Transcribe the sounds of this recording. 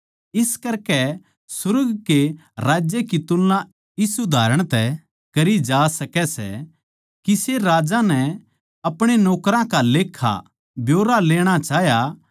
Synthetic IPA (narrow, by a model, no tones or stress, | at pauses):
ɪskɐɾkɛ | sʊɾɡkeɾaːd͡ʒjekit̪ʊlːã | ɪsud̪ʱaːɾəɽ̃t̪ɛ | kɐɾid͡ʒaːsɐkɛsɛ̰ | kiseɾaːd͡ʒãnɛ | ɐpɽ̃enɔːkɾãkaleːkʰːa̰ | bjoːɾaleːɽ̃at͡ʃaːɦja